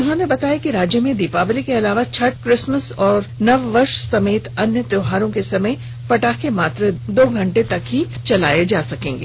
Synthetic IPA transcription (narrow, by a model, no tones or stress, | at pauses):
ʊnɦõnebɐt̪aːjakiɾaːd͡ʒjəmẽd̪ɪpaːblikeɐlaːʋat͡ʃʰɐʈ̚kɾɪsməsɔːɾnɐʋːɐɾʃsɐmeːt̪ɐnjət̪ɾoːɦaːɾõkesɐməj | pɐʈaːkemaːt̪ɾed̪oːɡʱɐ̃ɳʈet̪ɐkɦi | t͡ʃɐla̰ːjed͡ʒaːsɐkẽːŋɡeː